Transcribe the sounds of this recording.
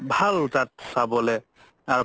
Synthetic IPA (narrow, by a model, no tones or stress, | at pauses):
bʱaltatsabɔlɛ | aɹ